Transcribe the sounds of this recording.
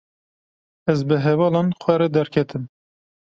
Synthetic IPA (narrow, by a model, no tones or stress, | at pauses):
ɛzbɨɦɛvɑːlɑːnxʷɛɾɛd̪ɛɾkʲʰɛt̪ʰɨm